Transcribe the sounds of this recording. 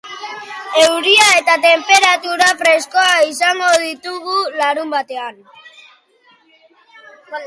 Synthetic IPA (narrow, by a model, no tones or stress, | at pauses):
e̞wɾiae̞t̪at̪e̞mpe̞ɾat̪uɾafɾe̞sko̞aisaŋɡo̞ðit̪uɣulaɾumbat̪e̞an